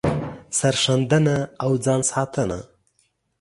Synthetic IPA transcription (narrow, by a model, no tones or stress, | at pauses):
saɾʂand̪anaːwd͡zɑːnsɑːt̪ʰəna̰